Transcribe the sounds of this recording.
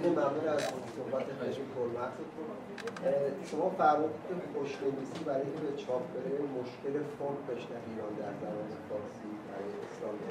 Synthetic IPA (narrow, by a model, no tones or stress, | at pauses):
nemæmuːlæzsohbæt̪ʰexæd͡ʒikʰolmæt̪ʰut̪ | ʃomɒːfæɾmɒd̪t̪epoʃnevisiːbæɾɒːjkʰebet͡ʃʰɒpʰbeɾemoʃcelefoɾɡbe̞ʃnæviːɾɒːnd̪æɾzæbɒːnefɒɾsibæɾɒːjeeslɒːmd̪e